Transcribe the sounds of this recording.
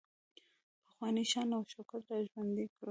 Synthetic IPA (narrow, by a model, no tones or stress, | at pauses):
paxwɑniʃɑnawʃakat̪ɾɑʒwand̪ikɽ